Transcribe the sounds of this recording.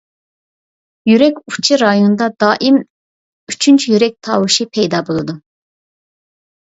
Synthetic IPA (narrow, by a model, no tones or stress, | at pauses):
jyɾɛkʲut͡ʃʰiɾɑjond̪ɑd̪ɑːʔim | yt͡ʃʰynt͡ʃʰyjyɾɛk̚ʲt̪ʰɑːwuʃipʰɛjd̪ɑːbulˠud̪u